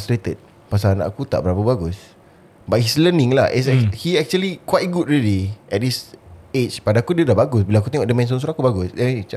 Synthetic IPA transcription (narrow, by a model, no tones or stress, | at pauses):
stɾet̪ət̚ | pas̬aana̰ʔakut̪a̰ʔbəɾapabaɡus | bat̚hislənɪ̃ŋlaʔishiɛk̚t͡ʃuəlikwajt̚ɡut̚ɹiliʔɛt̚diset͡ʃpadaakudiədabaɡʊs̬bilaak̬ut̪eŋɔʔdəmɛ̃ns̬ɔns̬uɾakubaɡʊsdɛ̃n